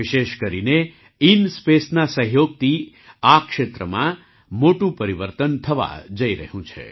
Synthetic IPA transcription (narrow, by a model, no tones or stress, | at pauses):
ɪʃeʃkəɾine | inspesnasə̃ɦjoɡ̚t̪ʰi | akʃet̪ɾəmã̰ | moʈũpəɾiʋəɾt̪ənt̪ʰəʋa̰d͡ʒəiɾə̰ɦjũt͡ʃʰḛ